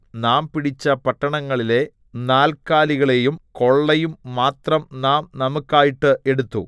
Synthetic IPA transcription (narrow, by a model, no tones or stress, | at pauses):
naːmpiɽit͡ɕːɐpɐʈːɐɳɐŋːɐɭile̞ | naːlkaːliɣɐɭejumko̞ɭːɐjumːaːt̪rɐmnaːmnɐmukːaːjiʈːɨʔe̞ɽut̪ːṵ